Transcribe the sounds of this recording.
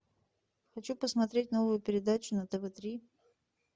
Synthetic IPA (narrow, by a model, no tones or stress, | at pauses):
xɐt͡ɕupəsmɐt̪ɾʲet̚ʲno̞vʊjʊpʲɪɾʲɪd̪at͡ɕʊnət̪ɛvɛt̪ɾʲi